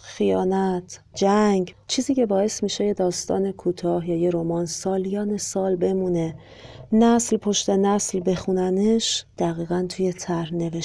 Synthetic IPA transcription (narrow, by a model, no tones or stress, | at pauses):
xijɒːnæt̪ʰ | d͡ʒæŋɡt͡ʃʰiːziːcʰe̞bɒːe̞st̪miːʃe̞jed̪ɒːst̪ɒ̰ːne̞kʰuːt̪ʰɒːhjɒːjeɾo̞mɒːnsɒːlijɒːnesɒːlbe̞mune̞ | næslpʰo̞ʃt̪e̞næslbe̞xunæneʃd̪̥æɣiːɣænt̪ʰuje̞t̪ʰæɾhne̞veʃ